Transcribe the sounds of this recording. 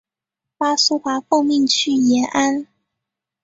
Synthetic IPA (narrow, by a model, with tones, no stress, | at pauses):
pa˥su˥xa˧˥fo˥˧ŋmi˥˧ŋt͡ɕʰy˥˩jɛ˧˥nʔa˦˥n